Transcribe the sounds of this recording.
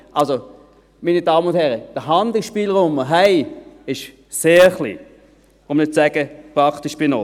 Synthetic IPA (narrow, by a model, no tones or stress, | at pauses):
ʔalso | minidɑːmənʊnt̪hɛʁəd̥əɦɑnd̪l̩ʃpiːlʁoməɦæɪɪʃ | seːχlḭː | ʊmnɪt̚t͡ssɛɡ̥əpʁɑkt̪ɪʃb̥ɪno